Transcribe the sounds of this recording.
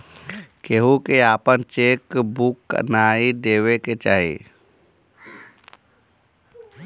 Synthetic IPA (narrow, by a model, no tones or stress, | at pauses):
keːɦukeaːpənt͡ʃeːkbukːə̰naːid̪eːʋeket͡ʃaːɦḭː